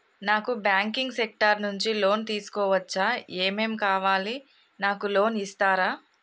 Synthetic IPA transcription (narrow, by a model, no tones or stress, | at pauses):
naːkubjaːŋkiŋɡsek̚ʈɐɾnuɲt͡ʃilo̞ːnt̪iːsu̥kɔːʋɐt͡ʃːaːeːmeːmkaːʋaːli | naːkulo̞ːnist̪aːɾaː